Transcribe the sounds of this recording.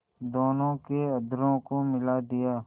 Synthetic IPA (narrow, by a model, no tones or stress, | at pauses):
d̪oːnõːkeəd̪ɾõːkomɪlaːd̪ɪjaː